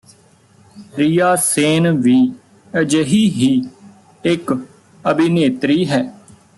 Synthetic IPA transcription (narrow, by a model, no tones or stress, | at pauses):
ɾijaːseːnʋiː | əd͡ʒəɦiːɦiː | ɪk | əbɪneːt̪ɾiːɦɛː